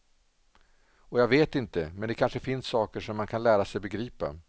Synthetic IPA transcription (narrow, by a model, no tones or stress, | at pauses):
ɔjaːɡveːt̪ɪnt̪əmɛnd̪ɛkʰanʂəfɪnsːɑːkəʂɔmːankʰanlæːɾasɛjbɛɡɾiːpa̰